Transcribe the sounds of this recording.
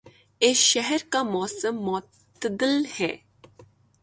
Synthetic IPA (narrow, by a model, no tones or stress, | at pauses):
eːsʃɛɦəɾkamoːsəmːo | əd̪ɪlhɛː